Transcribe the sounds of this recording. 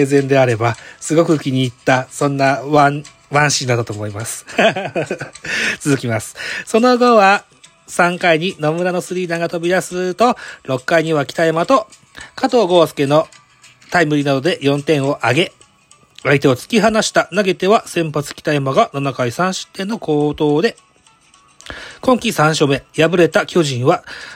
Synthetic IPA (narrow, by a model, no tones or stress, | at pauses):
ezẽ̞nd̪e̞aɾe̞basɨɡo̞kɯ̟kʲiɲ̟iːt̪ːasõ̞nːaβã | βãɰ̃ɕĩnd̪at̪ːat̪o̞ːmo̞imasɨ̥ | t͡sɨzɨkʲimasɨ̥so̞no̞ɡo̞βa | sãŋkaiɲ̟inomɯ̟ɾano̞sɨɾʲiːd̪aŋɡat̪obʲid̪asɨt̪o̞ɾo̞kːaiɲ̟iβakʲi̥t̪aemat̪o̞ | kat̪o̞ːɡo̞sɨ̥ke̞no̞ | t̪aimɯ̟ɾʲinad̪o̞d̪e̞jõ̞nt̪ẽ̞ɰ̃o̞ʔaɡe̞ | ait̪e̞ot͡sɨ̥kʲiɦanaɕi̥t̪anaɡe̞t̪e̞βasẽ̞mpat͡sɨ̥kʲi̥t̪aemaɡananakaisãɰ̃ɕɨ̥t̪ːẽ̞nːo̞ko̞ːt̪o̞ːd̪e̞ | kõ̞ŋkʲisãɰ̃ɕo̞me̞jabɯ̟ɾe̞t̪akʲo̞ːʑĩɰ̃βa